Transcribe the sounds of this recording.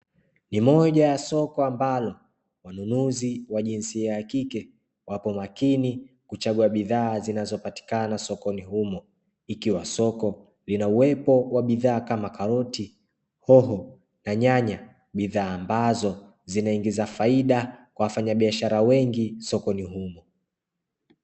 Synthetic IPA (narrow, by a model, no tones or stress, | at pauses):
nimɔʄajasɔkɔambalɔ | wanunuziwaʄinsiaakikɛ | wʔapɔmakini | kut͡ʃaɡuaɓiðaːzinazɔpati̥kanasɔkɔnihumɔ | ikiwasɔkɔ | linauwɛpɔwaɓiðaːkamakaɾɔti | hɔɦɔ | naɲaɲa | ɓiðaːmbazɔ | zinaiŋɡizafaiɗakwawafaɲaɓiaʃaɾawɛŋɡisɔkɔniɦumɔ